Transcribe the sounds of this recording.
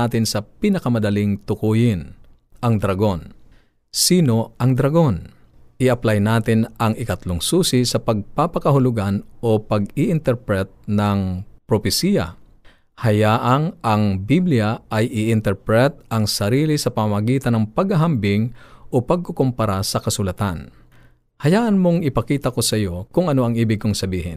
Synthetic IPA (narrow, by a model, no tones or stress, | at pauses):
aːt̪ɪnsɐpinɐkɐmɐd̪ɐlɪŋt̪ʊkuːjɪn | ʔɐŋd̪ɾɐɡo̞n | siːno̞ʔɐŋd̪ɾɐɡo̞n | ʔɪɐplajnaːt̪ɪnɐŋɪkɐt̪lʊŋsuːsɪsɐpɐɡ̚papɐkɐɦʊlʊɡanʔopɐɡɪʔɪnt̪ɛɾpɾɛt̪̚nɐŋpɾopɪsiːjɐ̰ | hɐjaːʔɐŋʔɐŋbiblijaʔɐjʔɪʔɪnt̪ɛɹpɾɛt̪̚ʔɐŋsɐɾiːlɪsɐpɐmamɐɡiːt̪ɐnɐŋpɐɡhɐɦambɪŋʔopɐɡ̚kokompɐɾasɐkɐsʊlɐt̪an | hɐjaːʔɐnmoŋɪpɐkiːt̪ɐko̞sɐjo̞kʊŋɐno̞ʔɐŋʔiːbɪɡ̚koŋsɐbiːhɪn